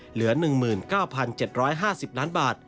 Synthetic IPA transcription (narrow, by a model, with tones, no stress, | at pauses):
lɯ˩˦ɐnɯ˨˩ŋmɯː˨˩nkaː˥˩wpʰa˧nt͡ɕe˨˩t̪̚ɾɔː˦˥jɦaː˥˩si˨˩p̚laː˦˥nbaː˨˩t̪̚